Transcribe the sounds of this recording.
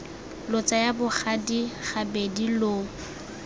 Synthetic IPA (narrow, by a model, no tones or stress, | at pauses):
lʊt͡sajabʊχadiχabedilo